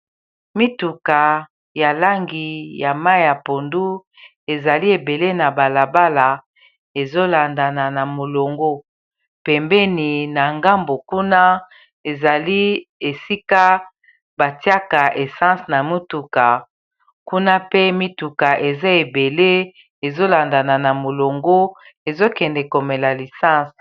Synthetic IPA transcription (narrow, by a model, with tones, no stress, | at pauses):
mi˦tu˨ka˨ | ja˨la˦ŋɡi˨ja˨ma˦i˨ja˨po˨ndu˦ | e˨za˨li˦e˨be˨le˦na˨ba˨la˨ba˦la˨ | e˨zo˦la˨nda˨na˨na˨mo˨lo˨ŋɡo˦ | pɛ˨mbɛ˦ni˨na˨ŋɡa˦mbo˨ku˦na˦ | e˨za˨li˦e˨si˦ka˦ | ba˨ti˦a˦ka˨ʔe˨sã˦sna˨mi˦tu˨ka˨ | ku˦na˦pe˦mi˦tu˨ka˨ʔe˨za˦e˨be˨le˦ | e˨zo˦la˨nda˨na˨na˨mo˨lo˨ŋɡo˦ | e˨zo˦kɛ˨ndɛ˨ko˨mɛ˨la˨li˨sã˦˨s